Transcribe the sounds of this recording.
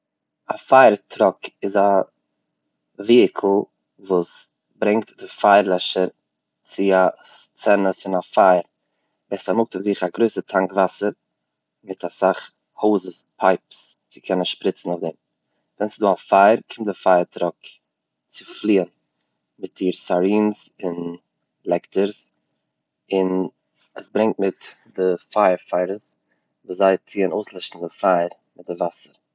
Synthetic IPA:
afaɪɾtʰɾɔkɪza | viːɪkʰl̩ˠ | vuːs | bɾɛŋk̚tdɪfaɪɾlˠɛʃəɾ | t͡sɪa | t͡sɛnəfɪnafaɪɾ | vɛstamʊk̚tʊfzɪχaɡɾoɪsətʰaŋkvasəɾ | mɪtʰasaχ | hoʊzəspʰaɪpst͡sɪ̥kʰɛnənʃpɾɪt͡sn̩ʊfdɛm | vɛnsɪduːafaɪɾkʰɪmt̚dɪfaɪəɾtɾɔk | t͡sɪflˠiːən | mɪt̚d̥iːɾsaɾiːnsɪn | lˠɛktəɾs | ɪn | ə̰sbɾɪŋk̚t̚mɪt | dɪfaɪəɾfaɪɾəs | vuːszaɪt͡siːənoʊslˠɪʃtn̩dɪfaɪɾ | mɪt̚dɪvasəɾ

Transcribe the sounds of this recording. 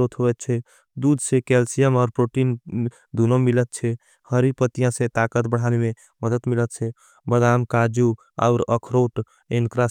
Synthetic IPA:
ot̪ʰɦoɛt̪̚t͡ʃʰɛ | d̪ud̪ʱsekɛlsijəmɔːɾpɾoʈin | d̪unomilət̪̚t͡ʃʰɛ | həɾipət̪ijãsẽt̪akət̪bəɽ̤aneme | məd̪ət̪milət̪̚t͡ʃʰɛ | bəd̪amkad͡ʒu | a̰ʊɾəkʰɾoʈ | enkɾa

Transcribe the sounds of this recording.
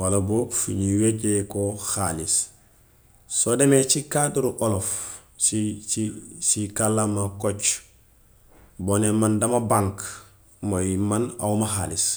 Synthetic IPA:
walaboːfṵɲiweɟekoxalis | sodemet͡ʃikaduɾuʔolof | siisikalːamakot͡ʃ | bonemandamabaŋk | mojimana̰umaɦaːlis

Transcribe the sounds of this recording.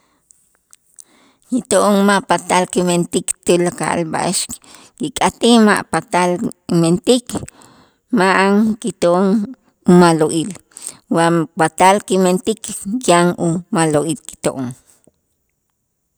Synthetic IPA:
kit̪oʔoŋmaʔpat̪alkiment̪ikt̪ulaka̰ʔa̰lba̰ʔeʃk | kikʼat̪ima̰ʔpat̪aliment̪ik | maʔaŋkit̪oʔoŋ | umaloʔiːl | wapat̪alkiment̪ikkaŋumaloʔiːlki̥t̪o̰ʔoŋ

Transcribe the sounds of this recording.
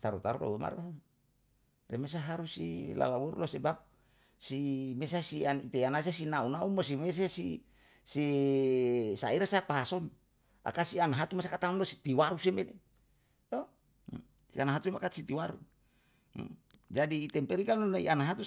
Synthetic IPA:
t̪aɾut̪aɾṵɾo̰wema̰ɾa | remes̬aɦaɾusḭla̰lawuɾṵlosebap̚ | simesasianit̪eanas̬asinaunaunmosimes̬esi | si | saiɾasapaɦason | a̰kasianaɦat̪umasakat̪aonlosi̥t̪iwaɾusemele | t̪o | sianaɦat̪uemakat̪sit̪iwaɾṵ | d͡ʒadiːt̪ɛmpɛɾikanonaḭʔanaɦat̪u

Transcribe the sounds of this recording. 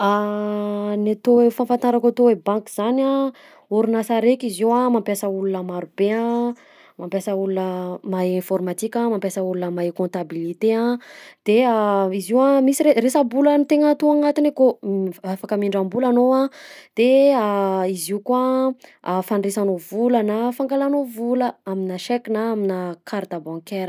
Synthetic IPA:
a | nat̪owefãnfant̪aɾakat̪owebãŋkiz̥ana | uɾunasaɾekʲiziwamãmpjasəulunəmaɾubea | mampjasəulunəmaẽfɔrmat̪ikʲãmãmpjasəulunəmaekɔ̃nt̪abilit̪eãd̪̥eaiziwamisiɾeresambulanit̪eŋət̪uaŋat̪inekoafakəmiɳɖ͡ʐambulanoad̪̥eaiziukwa | fanresanovulanafaŋɡalanovuləaminaʃɛkinaaminakʰaɾd̪abɔ̃ŋkeɾə

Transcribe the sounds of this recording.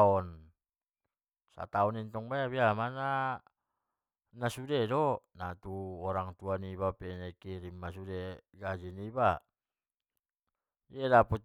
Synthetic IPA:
ɔn | sa̰t̪aɔnint̪ɔŋbajaβiamana | nasudedɔnat̪uɔɾaŋt̪uaniβapɛnɛkiɾimːasudeɡad͡ʒiniba | ielapɔt͡ʃ

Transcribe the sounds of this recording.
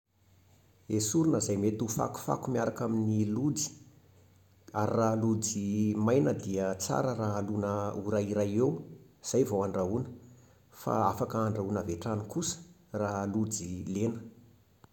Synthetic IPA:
esuɾunəzajmet̪ufa̰ku̥fa̰kumiaɾakaminilud͡zi̥ | aɾiralud͡zimajnəd̪iət͡sa̰ɾəraalunəuɾaiɾajew | z̥ajvawaɳɖ͡ʐaunə̥ | fa̰afakəːɳɖ͡ʐaunaveʈ͡ʂanikusə̥ | ralud͡zilenə̥

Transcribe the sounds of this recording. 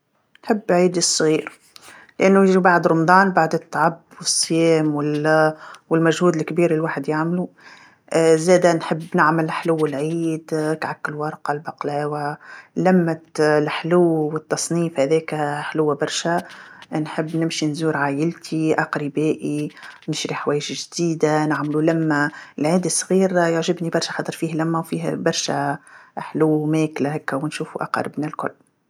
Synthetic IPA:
nħəbːʕiːd̪əsˤːɣiːɾ | lʔænːujɪʒibaʕd̪ɾˤʊmd̪ˤɑːnbaʕd̪ɪt̪ːʕabːwɪsˤːjɛːmwɪl | wɪlmæʒhuːd̪ɪlkbiːɾɪlwaːħəd̪jaʕmlu | zɛːd̪ænħɪbːnɪʕmɪlħluwːɪlʕiːd̪kʕakːɪlwɑɾˤqɑlbɑqlæːwælæmːæt̪lħluwːwɪt̪ːɑsˤniːfhæðɛːkħlʊwːbɑɾˤʃænħəbːnɪmʃinzuːɾʕaːjɪlt̪ʰiʔɑqɾibɛːʔinɪʃɾiħwɛːjɪʃʒd̪iːd̪anɪʕmlulæmːælʕiːd̪əsˤːɣiːɾjoʕʒɪbnibɑɾˤʃæxɑt̪ːˤəɾˤfiːhlæmːæwfiːɦbɑɾˤʃæ̰ħluːmɛːklæɦɛkːæwnʃuːfuʔɑ̰qɑ̰ɾˤə̰bnalkʊ̰lː

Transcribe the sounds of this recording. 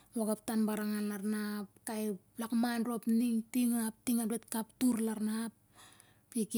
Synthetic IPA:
waɡap̚tanbaɾaŋanlaɾnapkajplakmanropniŋtiŋap̚tiŋanɾet̚kaptuɾlaɾnap | pik

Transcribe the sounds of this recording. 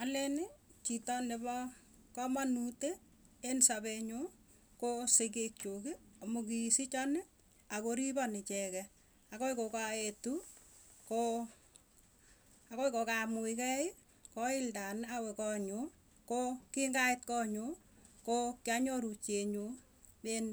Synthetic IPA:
alɛnɪt͡ʃitɔnebɔ | kɔmanute | ensaβeɲo | kosek̬ek̚t͡ʃokiamok̬isit͡ʃɔnɪ | akoɾibɔnɪt͡ʃɛkɛ | akoikokaetu | ko | akoikokamʊikɛɪ | kɔɪldanawɛkɔɲo | kokiŋɡaɪt̚kɔɲo | kokjaɲoɾut͡ʃeɲu | en

